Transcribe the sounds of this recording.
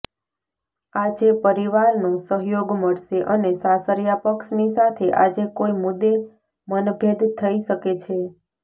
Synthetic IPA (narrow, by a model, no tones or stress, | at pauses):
ad͡ʒepəɾiʋaɾnõsəɦjoɡməɽʃeʔənesasəɾjapəkʃnisat̪ʰeʔad͡ʒekoimʊd̪ːe | mənbʱed̪t̪ʰːəiʃəket͡ʃʰe